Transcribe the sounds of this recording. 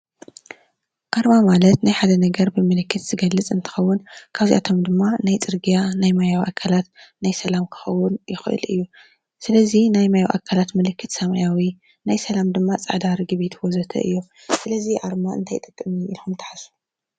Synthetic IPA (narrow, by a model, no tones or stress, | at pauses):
ʔaɾmamalɐt̪najħad̪ɐnɐɡɐɾbɨmɨlɨkːɨt̪z̥ɨɡɐlːɨt͡sʼɨnt̪ʰɨ̥xɐwːʊnkʰaβzḭʔa̰t̪ʰo̞md̪ɨmːanajt͡sʼɨɾɡijanajmajawʔakʰalat̪najsɐlamkʰɨ̥xɐwːʊnjɪxɨʔɨ̰lɨ̰jːu | sɨlɐzinajmajawʔa̰kʰalat̪mɨlɨkʰːɨt̪sɐmajawi | najsɐlamd̪ɨmːat͡sʼa̰ʕd̪aɾiɡɨβit̪ʰwozɐt̪ʰɐ̰ʔɨ̰jːo̞ | sɨlɐziʔaɾmaɨ̰nt̪ʰajt̪ʼɨkʼːɨmiilxumt̪ʰɐ̥ħasu̥